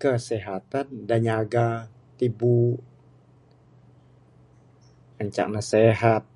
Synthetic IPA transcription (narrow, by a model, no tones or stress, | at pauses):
kəseɦat̪andaɲaɡa | t̪ibu | əɲt͡ʃa̰ʔnaseɦat̪̚